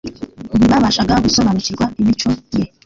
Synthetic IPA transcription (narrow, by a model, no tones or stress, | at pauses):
ɾiβaβaʃaɡaɡusoβaniciɾɡwaemit͡ʃoɟe